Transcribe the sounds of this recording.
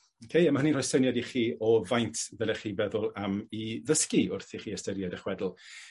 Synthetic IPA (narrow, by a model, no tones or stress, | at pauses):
okʰejəmahəninrɔjsənjadiχiːʔɔvajntʰvɛlˠɛχiːbɛðʊlˠamiðəskiʊrθiχiːəstəɾjadəχwɛdl̩ˠ